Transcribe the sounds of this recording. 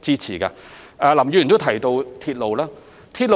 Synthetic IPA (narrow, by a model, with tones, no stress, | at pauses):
t͡siː˥t͡sʰiː˨˩ka̰ː˧aː˧lɐ˨˩mjyː˧jnt̪o˥wt̪ʰɐ˨˩jt̪o˧wt̪ʰi˧t̚lo˨˧wlaː˥ | t̪ʰiː˧t̚lo˧